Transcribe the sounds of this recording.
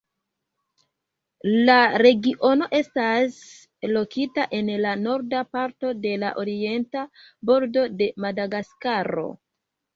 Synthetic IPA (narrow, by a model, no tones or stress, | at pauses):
laɾe̞ɡiʔo̞no̞ʔe̞stas | lo̞kitaʔe̞nlano̞ɾdapaɾto̞de̞laʔoɾie̞nta | bo̞ɾdo̞de̞madaɡaskaɾo̞̰